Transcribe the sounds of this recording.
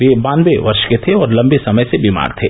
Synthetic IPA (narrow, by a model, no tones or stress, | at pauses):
ʋebãːnʋeʋɐɾʃket̪ʰeɔːɾlɐ̃mbesɐməjsebiːma̰ːɾt̪ʰeː